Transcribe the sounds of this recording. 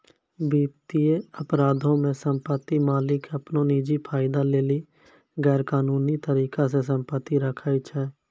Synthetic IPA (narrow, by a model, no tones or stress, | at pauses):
biːpt̪ieəpɾaːd̪ʱõmẽsə̃mpət̪ːimaːlɪkəpnoniːd͡ʒipʰaːɪd̪aleːli | ɡɛːɾkaːnuːnit̪əɾiːkas̬es̬ə̃mpət̪ːiɾəkʰait͡ʃʰɛː